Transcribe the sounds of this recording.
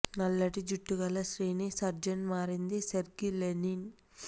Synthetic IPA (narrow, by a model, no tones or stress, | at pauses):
nɐlːɐʈid͡ʒuʈːuɡɐlːɐsɾiːnisɐɾd͡ʒɐɳmaːɾind̪iseɾɡilenin